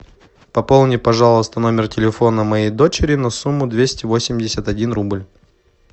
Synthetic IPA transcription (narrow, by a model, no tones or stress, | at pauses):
pɐpolˠnʲɪpɐʐalˠəst̪əno̞mʲɪrtʲɪlʲɪfo̞nəmɐjejd̪o̞t͡ɕɪɾʲɪnɐsumːʊd̪vʲesʲtʲɪvo̞sʲɪmʲdʲɪsʲət̪ɐdʲinrublʲ